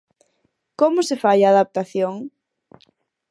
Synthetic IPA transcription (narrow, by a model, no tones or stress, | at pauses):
komʊsefajaːðap̚t̪aθjoŋ